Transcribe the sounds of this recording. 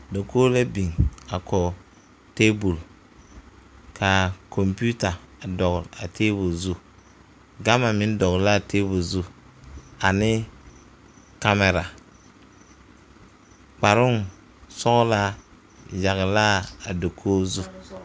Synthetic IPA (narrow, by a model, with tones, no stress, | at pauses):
do˨koː˦le˦bi˨ŋa˨kʰɔ˨ | teː˦bu˨l | kʰa˨kʰɔ˨mpu˦ta˨dɔ˨ɣʊ˨ɾa˨tʰeː˦bʊ˨lzu˦ | ɡa˦ma˨mɪ˦n˦dɔ˨ɣla˦˨teː˦bu˨lzu˦ | a˨nɪ˦ | ka˦mɛ˨ɾa˨ | k͡pa˨ɾʊ˦ŋ | sɔ˦ɣʊ˦la˦ | ja˨ɣɪ˨la˦a˨do˨kʰoː˦zu˦